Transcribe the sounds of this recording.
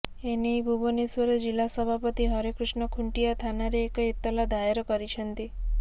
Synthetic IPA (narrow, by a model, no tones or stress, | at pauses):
enibʱubonesʋəɾd͡ʒilːasəbʱapət̪iɦəɾekɾuʃnəkʰuɳʈijat̪ʰanaɾeːkit̪ːəlad̪aeɾkəɾit͡ʃʰənt̪i